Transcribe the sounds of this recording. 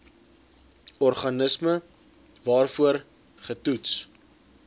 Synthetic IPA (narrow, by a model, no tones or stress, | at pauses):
ɔrχɐnəsmə | vɑːrfuər | χətuts